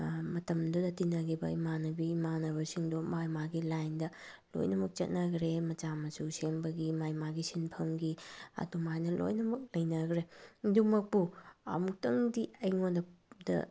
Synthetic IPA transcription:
mɐtɐmdudɐtinːɐɡibɐimanɐbimanɐβɐsiŋdumajmaɡilajndɐ | lo̰jnɐmɐk̚t͡ʃɐ̰t̚nɐɡɾemɐt͡ʃamɐsuseŋbɐɡimajmaɡisinpʰɐmɡiɐ̰dumajnɐlo̰jnɐmɐk̚lɐjnɐɡɾedumɐk̚puɐ̰muk̚tɐŋdiɐjŋondɐdɐ̰

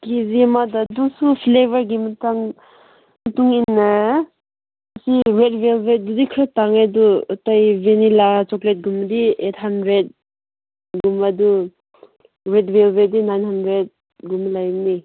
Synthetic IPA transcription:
kʰizimadadusupʰlebaɾɡimataŋ | mɐtuŋinːa | siɾedbelbet̚dudikʰɾataŋajduːtajvenilat͡ʃɔklet̚ɡumdiet̚ʰhandɾet̚ | ɡumadu | ɾedbelbedinajnɦandɾet̚ | ɡumlajmni

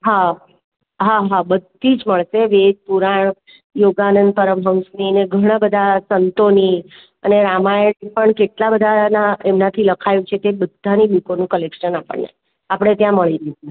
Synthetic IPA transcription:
ɦa | ɦaɦabəd̪ʱid͡ʒməɭʃeʋed͡ʒ̚puɾaɳ̃ | joɡanənd̪̚pəɾəmɦə̃ʊ̃snineɡʱəɽ̃abəd̪ʱasənt̪oni | əneɾamajəɳipəɳkeʈlabəd̪ʱanaemnat̪ʰiləkʰajũt͡ʃʰet̪ebəd̪ʱːanibikonũkəlekʃənapə̰ɳːḛ | apɽ̃et̪jãməɭiɾəɦit͡ʃu

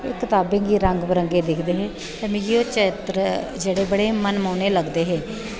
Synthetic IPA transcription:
ekːɪt̪aːbẽːŋɡiːɾəŋɡbəɾəŋɡeːd̪ɪkʰd̪eːɦeː | t̪eːmĩːɡiːoːt͡ʃeːt̪ɾd͡ʒeːɽeːbəɽeːmənmaːneːləɡd̪eːɦeː

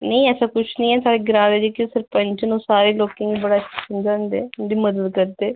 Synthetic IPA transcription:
nəĩɛːsaːkʊt͡ʃʰnĩːɛːt̪aːɽeːɡɪɾãːɾeːd͡ʒekɪsəɾpəɲt͡ʃnũːsaːɾeːloːkẽːɡibəɽaːt͡ʃʰːkənd͡ʒaːnd̪ḛːnd̪iːməd̪əd̪kəɾd̪eː

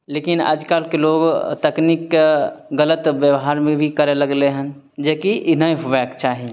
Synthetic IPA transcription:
leːkɪnə̰d͡ʒkaːlkeloːɡt̪əkniːkɡələt̪ʋjəʋɦaːɾmẽbʱikəɾeləɡleɦə̃n | d͡ʒeːkiʔɪnəeɦʊʋɛːkt͡ʃaːɦiẽ

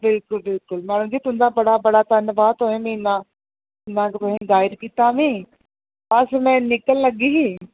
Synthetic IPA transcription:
bɪlkʊlbɪlkʊlmaːɽ̤̃ʊ̃d͡ʑet̪ʊ̃ːnd̪abɐɽabɐɽat̪aɪnəbat̪oɦẽmĩnã | nãkpɐɦĩzaːɪɾkit̪amĩː | pɐsmɛ̃ːnɪkəllɐɠiɦi

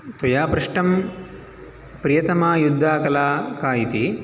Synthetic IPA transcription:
t̪ɐjaːpɾɐʂʈɐm | pɾijɐt̪ɐmaːjud̪ʱːaːkɐlaːkaːjit̪i

